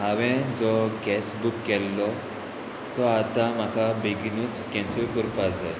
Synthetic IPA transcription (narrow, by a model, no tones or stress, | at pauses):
ɦaʋɛ̃d͡zɔɡɛsbukːɛlːɔ | t̪ɔat̪am̤akabeɡinuːt͡skɛ̃nsəɾkuɾpad͡za